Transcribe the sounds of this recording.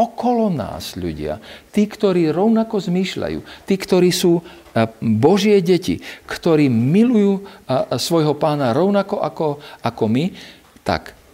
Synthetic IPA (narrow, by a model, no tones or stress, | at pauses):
ɔkɔlɔna̰ːz̥ʎṵɟɪa̰t̪iːkt̪ɔɾiːɾɔʊnakɔzmiːʃʎa̰jṵːt̪iːkt̪ɔɾiːsuː | bɔʒɪɛɟɛcḭkt̪ɔɾiːmilujuːsʋɔjɦɔpaːnaɾɔʊnakɔʔakɔakɔmi | t̪a̰k